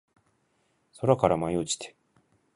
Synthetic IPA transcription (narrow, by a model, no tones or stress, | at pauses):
soɾakaɾamaiot͡ɕi̥t̪ʰe̥